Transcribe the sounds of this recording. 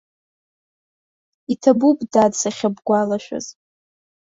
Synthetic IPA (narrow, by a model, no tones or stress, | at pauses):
itʰabubdadsaχʲabɡʷalaʃʷᶣa̰z̥